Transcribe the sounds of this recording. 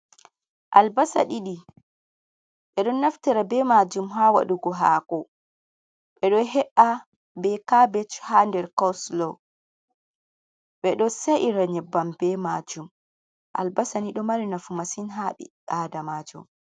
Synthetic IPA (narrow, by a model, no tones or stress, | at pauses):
ʔalbasa̰ɗiɗi | ɓɛɗɔnːaftiɾabɛmad͡ʒumɦawa̰ɗuɡɔɦaːkɔ | ɓɛɗɔɦɛʔa | bɛkabɛt͡ʃhandɛɾkawslɔ | ɓɛɗɔseʔiɾaɲɛbambɛmad͡ʒum | ʔa̰lbasaniɗɔmaɾinafumasinɦaɓḭʔaːdamad͡ʒṵm